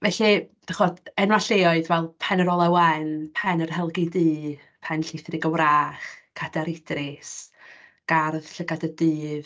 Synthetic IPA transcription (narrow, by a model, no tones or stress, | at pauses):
vɛɬid̥aχɔdɛnwaɬeːɔɨðvɛlˠpʰɛnəɾɔlˠɛwɛnpʰɛnərɦɛlˠɡidɨː | pʰɛnɬɪθrɪɡəwraːχkʰadaɾɪd̥rɪs | ɡ̥arðɬəɡadədɨːð